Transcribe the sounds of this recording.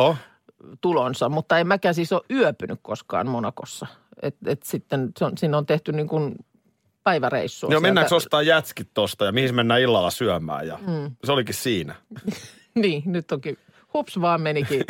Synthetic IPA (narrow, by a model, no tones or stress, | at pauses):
o | t̪ulonsɑmut̪ːɑemmækæːsisoʔʔyœpynykkoskɑ̰ːnmonɑko̰sːɑ | ḛt̪ḛt̪sit̪ːenseonsiːnːont̪eht̪ynniːŋkun | pæiʋærḛisːujomenːæːksost̪ɑːjjæt̪skit̪t̪ost̪ɑjɑmihismenːæːilːɑlːɑsyæmˑæ̰ːjjɑ̰m̩ːseolikissiːnæ | niːnyt̪ːoki | hupsʋɑːmmeniki